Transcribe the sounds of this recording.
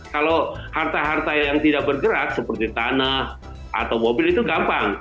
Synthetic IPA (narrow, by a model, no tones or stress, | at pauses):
kalohart̪aɦart̪ajaŋt̪idak̚bərɡəɾak̪̚səpərt̪it̪anah | ʔa̰t̪awmobɪlit̪uɡampaŋ